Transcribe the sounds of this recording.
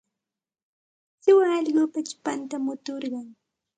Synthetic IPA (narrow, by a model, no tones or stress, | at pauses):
sɪwaːʎɢʊpat͡ʃʊ̥pant̪amʊt̪oɾɢɑŋ